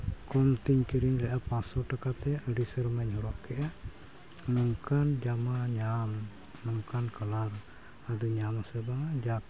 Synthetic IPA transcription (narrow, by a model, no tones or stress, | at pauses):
kɔmt̪iɲkiɾinlɛʔapãsɔʈakat̪ɛʔəɖisəɾmɛɲhɔɾɔʔkɛʔa | nɔŋkand͡ʒamaɲam | nɔŋkankalaɾ | ad̪ɔɲamasɛbad͡ʒa